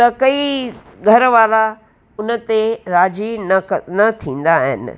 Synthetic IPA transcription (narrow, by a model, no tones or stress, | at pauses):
t̪ɐkɐi | ɡʱɐɾʋaːla | ʊnə̆t̪eɾaːd͡ʑinnɐt̪ʰĩːn̆d̪aɦɪ̰nɪ̰̆